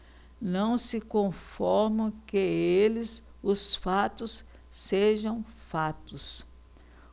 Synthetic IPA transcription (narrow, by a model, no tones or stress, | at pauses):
nɐ̃w̃sɪkõfɔɾmɐ̃keelɪs | ʊsfat̪ʊsː | eʒɐ̃w̃fat̪ʊs